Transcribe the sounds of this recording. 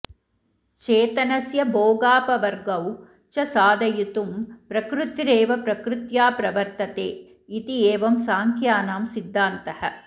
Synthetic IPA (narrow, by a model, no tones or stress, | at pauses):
t͡ʃeːt̪ɐnɐsjɐboːɡaːpɐʋɐɾɡɐw | t͡ʃɐsaːd̪ɐjut̪umpɾɐkɾut̪ɾeːʋɐpɾɐkɾut̪jaːpɾɐʋɐɾt̪ɐt̪eː | it̪ieːʋɐmsaːŋkjaːnaːmsid̪ʱːaːnt̪ɐhɐ̰